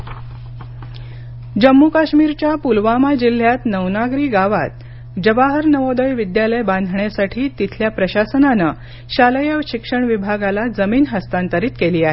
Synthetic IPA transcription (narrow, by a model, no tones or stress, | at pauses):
d͡ʑəmːukaɕmiɾt͡ɕjapulʋamad͡ʑil̤ːjat̪nəʋnaɡɾiːɡaʋa̰t̪̚ | d͡ʑəbaɦəɾnəʋod̪əjʋid̪jaləjband̪ʱɳjasaʈʰiːt̪it̪ʰljapɾəɕasənanə | ɕaləjəʋɕikʂəɳʋibʱaɡalad͡zəmiːnɦəst̪ant̪əɾiːt̪keliːaɦe